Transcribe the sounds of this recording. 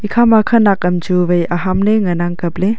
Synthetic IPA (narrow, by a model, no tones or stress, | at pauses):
ikʰamakʰɐnakːɐmd͡ʒubɐjaɦamleŋɐnaŋkɐp̚le